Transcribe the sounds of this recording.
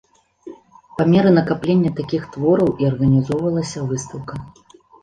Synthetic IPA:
pamʲɛɾɨnɐkaplʲenʲːɐt̪akʲixt̪vɔɾɐwʔiɐrɣɐnʲizɔwvɐlˠɐsʲɐvɨst̪ɐwkɐ

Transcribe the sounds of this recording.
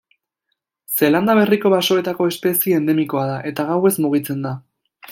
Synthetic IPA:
se̞land̪aβ̞e̞riko̞βaso̞e̞t̪ako̞e̞spe̞sieend̪e̞miko̞aðaʔe̞t̪aɣawe̞zmuɣ̞it͡se̞nd̪a

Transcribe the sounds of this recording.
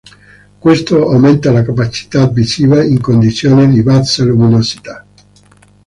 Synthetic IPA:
kwest̪oawment̪alakapat͡ʃi̥t̪avːisiːvaiŋkond̪it̪sjoːned̪ivasaluminosi̥t̪a

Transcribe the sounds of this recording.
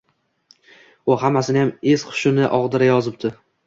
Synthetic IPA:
ʊhamːasɪnɪjamez̥qʰʊ̥ʃʊnɪʔɒʁd̪ɪɾajɒzɪp̚t̪ʰɪ

